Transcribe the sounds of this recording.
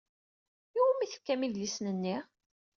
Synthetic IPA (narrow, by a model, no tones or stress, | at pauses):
iwmiθə̥kːæmiðlisnənːiʁ